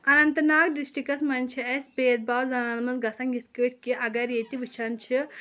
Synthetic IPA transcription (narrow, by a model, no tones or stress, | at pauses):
ɐnɐnt̪ɐnaːkɖisʈikɐsmɐnʲt͡ʃʰiɐsʲbeːd̪̚baːwzɐnanmɐnzɡɐsɐŋɡit̪ʰkəʈʰkiʔɐɡɐɾet̪iʋɨt͡ʃʰɐnt͡ʃʰi